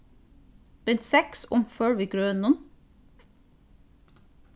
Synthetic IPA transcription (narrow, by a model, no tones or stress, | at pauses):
b̥ɛnt̪sɛksʊmføːɹʋiːɡɹøːənʊn